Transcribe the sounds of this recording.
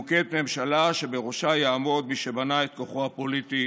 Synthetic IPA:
ket̪me̞mʃalaʃe̞be̞ʁo̞ʃajaːmo̞d̪miʃe̞banaet̪̚ko̞χoapo̞lit̪i

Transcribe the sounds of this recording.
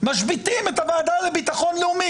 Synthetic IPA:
maʃbit̪imetavaːd̪alebit̪aχo̞nleumi

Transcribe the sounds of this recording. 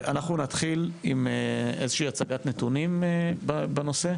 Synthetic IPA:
ʔa̰naχnunat̪χilimeezeʃiːat͡saɡat̪net̪unimbabeno̞se̞

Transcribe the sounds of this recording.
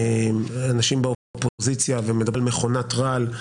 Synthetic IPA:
manaʃimbeofopozit͡sjavemedabelme̞χo̞natʁal

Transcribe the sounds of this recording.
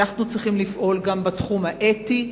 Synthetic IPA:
aχnut͡sʁiχimlifʔo̞lɡambatχumhaʔeti

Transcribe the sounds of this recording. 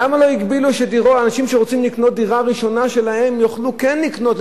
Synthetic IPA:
amalo̞iɡbiluʃediʁoaːnaʃimʃeʁot͡simlikno̞t̪̚d̪iʁaʁiʃo̞naʃe̞laɦe̞mjoχlukenːikno̞t̪

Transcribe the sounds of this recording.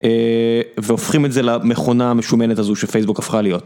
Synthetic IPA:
eveofχimetzelameχo̞naːmeʃume̞netazuʃefejsbukafχalijo̞t̚

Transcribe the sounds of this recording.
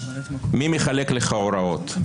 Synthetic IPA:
mimeχalekleχaoɾao̞t̪

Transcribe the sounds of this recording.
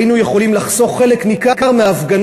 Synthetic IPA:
inujeχo̞limlaχso̞χːe̞leknikakaʁmeːfɡan

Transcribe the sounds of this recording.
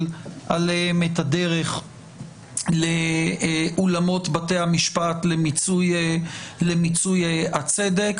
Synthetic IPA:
lʔalehemetade̞ʁe̞χ | le | ʔulamo̞tbatejamiʃpatlemit͡suj | lemit͡sujat͡sede̞k

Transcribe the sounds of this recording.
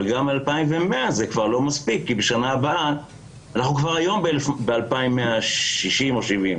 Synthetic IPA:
lɡamalpaimvemeazekvaʁlo̞maspikːibeʃanaːbaa | anaχnukvaʁajo̞mbeelefbealpaimːeaʃʃiʃimo̞ʃivim

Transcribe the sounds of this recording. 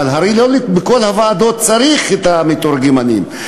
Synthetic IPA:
alɦaɾilolibeko̞lhavaːd̪o̞t̪̚t͡saɾiχet̪amet̪oɾɡimanḭm

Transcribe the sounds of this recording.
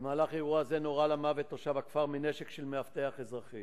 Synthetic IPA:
emaːlaχaeʁuazeno̞ʁalamavet̪oʃavakfaʁmineʃekʃelmeaft̪eaχezʁaχi

